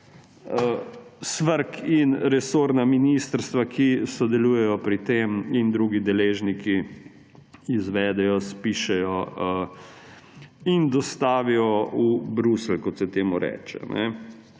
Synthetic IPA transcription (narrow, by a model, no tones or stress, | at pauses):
əsʋəɾkinɾɛsoːɾnaminist̪əɾst̪ʋakʰisɔd̪ɛluːjɛjɔpɾit̪eːmind̪ɾuɡid̪ɛleːʒniki | izʋɛːd̪ɛjɔspiʃɛjɔə | ind̪ɔst̪aːʋijɔubɾuslkɔt̪sɛt̪eːmuɾɛ̰ːt͡ʃɛ̰nɛ̰